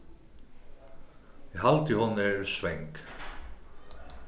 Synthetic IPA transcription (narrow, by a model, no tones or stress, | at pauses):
jɛɦalt̪ɪhɔnɪɾsvɛŋk